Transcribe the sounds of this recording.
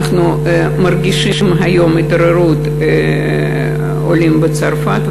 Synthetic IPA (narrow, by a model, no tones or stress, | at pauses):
χnu | mɐrɡʲiʃiʃimɦɐjomit̪ɾeɾut̪ | olʲimbət͡saɾfat̪